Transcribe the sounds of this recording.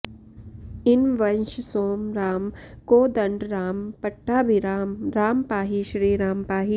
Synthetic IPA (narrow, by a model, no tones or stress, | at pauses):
ɪnʋɐnʃsoːmɾaːmkoːd̪ɐɳɖɾaːmpɐʈːaːbʱiɾamɾaːmpaːɦiʃɾiːɾaːmpaːɦi